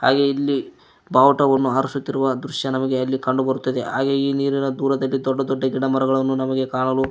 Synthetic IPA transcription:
ha̰ːɡeilːi | baːʋɐʈɐʋɐnːuaːɾusut̪ːiɾuʋɐd̪ɾuʃjɐnɐmɐɡeɐlːikɐɳɖubɐɾut̪ːɐd̪e̞ɦaːɡe̞iːniːɾinɐd̪uːɾɐd̪ɐlːid̪ɔɖːɐd̪ɔɖːɐɡiɽɐmɐɾɐɡɐɭɐnːunɐmɐɡe̞kaːɭɐlu

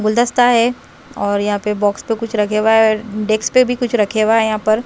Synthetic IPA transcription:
ɡʊld̪əst̪aɦɛ | ɔːɾjɐɦãpebɔːkspekʊt͡ʃʰɾɐkʰeːɡaɦɛɖeːkspebʱikʊt͡ʃʰɾɐkʰeɡaɦɛjɐɦãpɐɾ

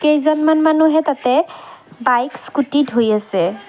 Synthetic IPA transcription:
kejzɔnmanmanuɦɛtatɛbajkskutitɦojasɛ

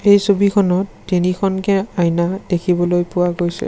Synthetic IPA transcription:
ejsobikʰɔnɔtːinikʰɔnkɛajnadekʰibɔlojpʊwaɡojsɛ̰

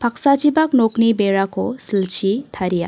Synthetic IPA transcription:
pʰak̚sad͡ʒibak̚noknibeɾakʰɔsilt͡ʃʰitʰaɾija̰

